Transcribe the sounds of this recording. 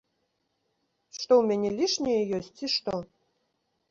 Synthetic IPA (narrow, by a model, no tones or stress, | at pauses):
ʂt̪ɔwmʲɛnʲɛlʲiʂnʲejɛjɔs̚ʲt͡siʂt̪ɔ